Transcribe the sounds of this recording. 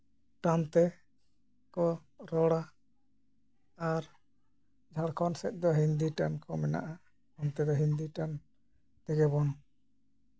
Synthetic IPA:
ʈant̪ɛ | kɔɾɔɽa | aɾ | d͡ʒʱaɽkʰɔnsɛt̪̚ˀd̪ɔɦind̪iʈankɔmɛna̰ʔa | ɔnt̪ɛd̪ɔɦind̪iʈan | ʈ̪ɛɡɛβɔn

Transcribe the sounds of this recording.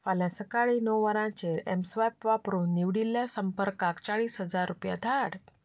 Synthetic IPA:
faljãsəkaɭiːnəwʋəɾãt͡ɕeɾɛ̰msʋajpʋapɾuːnːiʋɽiljasəmpəɾkakt͡ɕaɭiːsɦəd͡zaɾːupja̰d̪ʱaɽ

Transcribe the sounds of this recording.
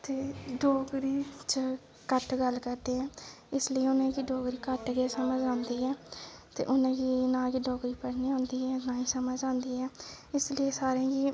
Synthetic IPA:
t̪eːɖɔːɡɾiːt͡ʃə | kəʈɡəlkəɾd̪eːɦɛ̃ː | ɪsləiːʊnẽːkiɖɔːɡɾiːkəʈɡeːsəməd͡ʒãːnd̪iːɛːt̪ḛːʔʊnẽːɡiːnãːkiːɖɔːɡɾiːpəɽniːãːnd̪iːɛːnãːiːsəməd͡ʒãːnd̪iːɦɛːɪslieːsaːɾẽːɡiː

